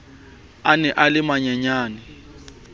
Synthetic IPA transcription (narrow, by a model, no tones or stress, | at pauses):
anɛʔalɪmaɲaɲaːnɪ